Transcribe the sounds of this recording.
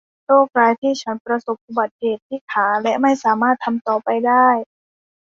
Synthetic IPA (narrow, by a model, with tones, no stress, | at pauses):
ɾoː˥˩k̚ɾaː˧jt̪ʰiː˥˩t͡ɕʰa˦˥npɾa˧so˨˩p̚ʔuː˧˩ba˨˩t̪̚heː˨˩t̪ʰːiː˥˩kʰaː˩˦lɛ˦˥ʔma˥˩jsaː˩˦maː˥˩t̪ʰːa˧mt̪ɔː˨˩pa˧jdaː˥˩j